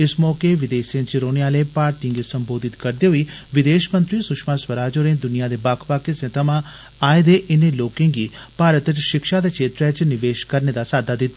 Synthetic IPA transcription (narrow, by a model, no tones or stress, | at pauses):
ɪsmɔːkeʋɪd̪eːsiãt͡ʃɾoːɽejãːleːpaːɾʈĩŋɡesəmboːd̪ɪt̪kəɾd̪eɦoiːʋɪd̪eːʃmə̃nt̪ɾiːsʊʃmaːswəɾaːd͡ʒoːɾẽːd̪ʊnijad̪eːbaːkʰpaːkesẽt̪ʰəmãː | aːed̪eʔɪneloːkẽːŋɡiːpaːɾət̪ʃɪkʃad̪ekt͡ʃʰeːt̪ɾet͡ʃnɪʋeːʃkəɾned̪aːsaːd̪aːd̪ɪt̪ːa